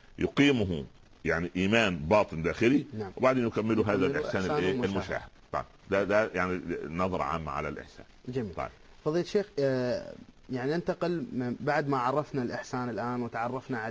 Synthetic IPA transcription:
jʊqiːmʊɦʊ | jaʕniʔiːmaːnbɑːt̪ˤɨnd̪aːxɪlinaʕwbaʕd̪eːnjʊkamːɪluɦaːðaʔɪ̰ħsaːnːʔeːɪlmʊʃa̰ːhɪd̪t̪ˤɑ̰jbd̪ad̪ajaʕninɑðˤɑɾˤɑ̰ʕa̰ːmːa̰ʕa̰la̰lʔɪ̰ħsa̰ːnd͡ʒamiːt̪ˤɑ̰jb | fɑðˤiːlt̪ʃeːx | jaʕninɪnt̪aqɪlmbaʕd̪maʕɑrˤːɑfnalʔɪħsaːnɪlʔaːnwɪt̪ʕɑrˤːɑfnaʕa

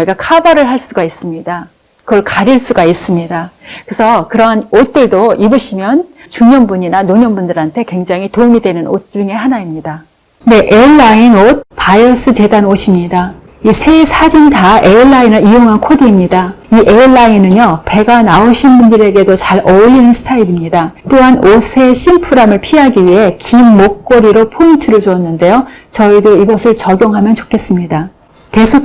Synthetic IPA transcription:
iɡakʰabaɾɯɭɦaɭs͈uɡais͈ɯmɲida | kɯɡʌɭkaɾiɭs͈uɡais͈ɯmɲidakɯsʰʌkɯɾʌanot̚t͈ɯɭdoibɯɕʰimjʌn | t͡ɕuɲʌnbuɲinanoɲʌnbundɯɾantʰe̞kwe̞ŋd͡ʑaŋɦitomidwe̞nɯnot͡ɕ͈uŋe̞ɦanaimɲida | ne̞ʔe̞ɭːainot̚pajʌs͈ʰɯt͡ɕe̞danoɕʰimɲida | isʰe̞sʰad͡ʑintae̞iɭːainɯɾijoŋɦankʰodiːmɲidaiʔe̞ɭːainɯnjope̞ɡanaoɕʰinbundɯɾe̞ɡe̞dot͡ɕaɾʌʎːinɯnsʰɯ̥tʰaiɾimɲidat͈oɦanosʰe̞ɕʰimpʰuɾamɯɭpʰiɦaɡiɥiɦe̞kimːok̚k͈oɾiɾopʰointʰɯɾɯɭt͡ɕuʌnːɯnde̞jot͡ɕʌidoiɡʌsʰɯɭt͡ɕʌɡjoŋɦamjʌnt͡ɕokʰe̞s͈ɯmɲida | ke̞sʰo

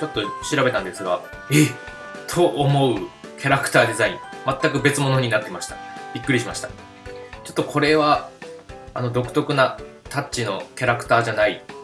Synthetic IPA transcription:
t͡ɕo̞t̪ːo̞ɕiɾabe̞t̪ãnd̪e̞sɨɡa | e | t̪ʰo̞ʔːmo̞ɯ̟kʲaɾakɯ̟̥t̪aːd̪e̞zaĩŋmat̪ːakɯ̟be̞t͡sɨmo̞no̞ɲ̟inat̪ːemaɕi̥t̪ḁbʲikːɯɾʲiɕimaɕi̥t̪ḁ | t͡ɕo̞t̪ːokʰo̞ɾe̞βa | ano̞d̪o̞kɯ̟̥t̪o̞kɯ̟nat̪ʰat͡ɕt͡ɕino̞kʲaɾakɯ̟̥t̪aːʑanai

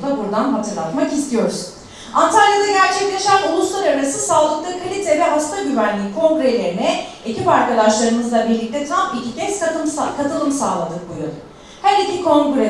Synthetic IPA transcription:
d̪abuɾd̪anɦat̪ʰɯɾlˠat̪makist̪ʰijo̞ɾuz | ant̪ʰaljad̪aɟæɾt͡ʃʰɛclʲe̞ʃænulˠuslˠaɾaɾɾasɯsaːlˠɯklˠɯkʰalʲit̪ʰɛvɛɦast̪ʰaɟyvænlʲiːkʰo̞ŋɡɾelʲe̞ɾinɛecipaɾkad̪aʃlˠaɾɯmɯzlˠabiɾlʲːic̚t̪ʰɛt̪ʰɾampicʲicʲɛskamskʰat̪ʰɯlˠɯmsaːlˠad̪ɯk̚buja̰d̪u | hæɾicʰikʰõ̞ŋɡɾɛ

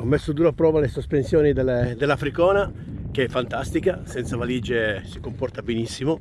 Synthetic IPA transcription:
ɔmːesːʊd̪uːɾapɾɔːvalesospensjɔːnid̪eld̪elːafɾikɔːna | keɛfːant̪ast̪ikasɛnt̪savaliːd͡ʒesikompɔrt̪abenisːimo

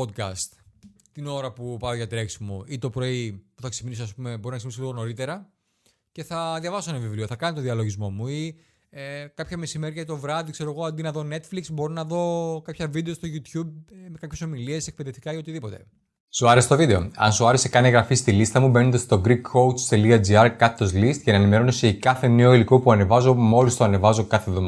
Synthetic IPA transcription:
od̪̚kɐ̰st̪ | t̪ino̞ɾɐpupɐoʝɐt̪ɾe̞ksmuit̪o̞pɾo̞ipuθɐkse̥inisoɐspumeboɾinɐksminisoliðono̞ɾit̪e̞ɾɐ | ce̞θɐðʝɐvɐsonɐvivlioθɐkɐnit̪oðiɐlo̞ʝizmo̞mui | ekɐpçɐme̞sime̞ɾiʝɐit̪o̞vɾɐðikse̞ɾo̞ɣo̞ɐnd̪inɐðo̞ne̞t̪fliksbo̞ɾinɐðo̞kɐpçɐvid̪est̪o̞ʝut̪çub̚mekɐpçe̞so̞milie̞sek̚peðeft̪i̥kɐio̞t̪iðipo̞t̪e̞̰ | suɐɾeset̪ovid̪e̞oɐ̰nsuɐɾese̞kɐneɣɾɐfist̪ilist̪ɐmube̞nond̪ɐst̪o̞ɡɾikʰːo̞w̪st̪e̞liɐd͡ziɐɾkɐt̪ːozlist̪cɐnɐenime̞ɾo̞noseikɐθe̞neoilikopuɐne̞vɐzo̞mo̞list̪oɐne̞vɐzo̞kɐθevðomɐ

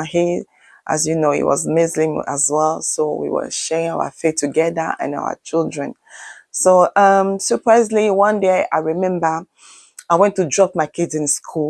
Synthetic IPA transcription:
hi | ʔa̰zjunoḭwɔ̰zmɪzlĩma̰zwɛlˠsowḭwə̰ʃɛɹɪ̃ŋaʊə̰feθtʰːuɡɛðə̰ə̰̃na̰ʊwə̰t͡ʃilˠdɹɛ̃n | soʔʌmsəpʰɹaɪzliwʌ̃ndea̰ɪɹimɛ̃mbə | aɪwɛ̃ntudɹɔp̚maɪkʰɪdɨ̃nskʰu

